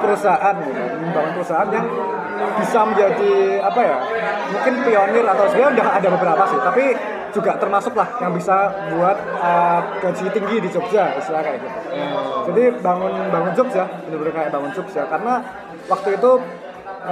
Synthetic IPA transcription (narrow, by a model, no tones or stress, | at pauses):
pəɾəsaʔat̪̚ɡit̪ṵ | baŋʊnpəɾusaʔat̪jaŋ | b̥isaməɲd͡ʒadiapajamuŋkɪnpionɪrat̪awsədiaundaɦadabəbəɾapasɪht̪api | d͡ʒuɡaʔt̪ərmasʊklahjaŋbisa | buat̪̚əɡ̥ad͡ʒit̪iŋɡidit͡ʃop̚d͡ʒaist̪ɾakajaɡit̪ud͡ʒadibaŋʊnbaŋʊnd͡ʒʊk̚sjaənbəɾakajabaŋʊnt͡ʃʊk̚sjakaɾəna | wak̚t̪uit̪u